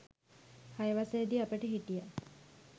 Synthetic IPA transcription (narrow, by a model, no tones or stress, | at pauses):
hajeʋasejəd̪iːapəʈəɦiʈija